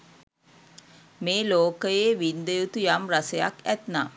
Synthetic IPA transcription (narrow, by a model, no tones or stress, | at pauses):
meːloːkəjeːʋind̪əjut̪ujamraseja̰kæt̪naː